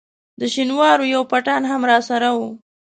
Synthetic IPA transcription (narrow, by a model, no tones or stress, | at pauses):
d̪əʃinwɑɾojawpaʈɑnɦamɾɑsaɾawu